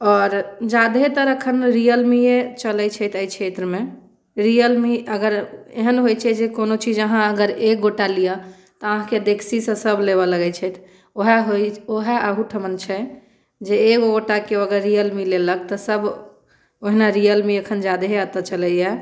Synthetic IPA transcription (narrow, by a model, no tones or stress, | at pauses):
ɔɾd͡ʒad̪ɦet̪əɾəkʰənɾiəlmiet͡ʃəlɛt͡ʃʰɛt̪ʰəjt͡ʃʰet̪ɾəme | ɾijəlmiəɡəɾeɦənɦojt͡ʃʰɛd͡ʒekonot͡ʃid͡ʒəɦãəɡəɾek̚ɡoʈalija | t̪ɔəɦãked̪ekʰsisə̃səbʱleβɔləɡɛt͡ʃʰɛt̪ʰ | oɦaɦojoɦɛʔəɦuʈʰəmənt͡ʃʰɛ | d͡ʒeekɡoʈakeoəɡəɾːijəlmilelək̚t̪ɔsəb | oɦnaɾijəlmiəkʰənd͡ʒad̪ɦeət̪ət͡ʃəlɛɛ